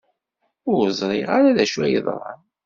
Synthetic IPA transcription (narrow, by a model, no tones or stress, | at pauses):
ʊɾzˤɾˤiʁaɾaðæʃwæjəðˤɾˤɑ̰n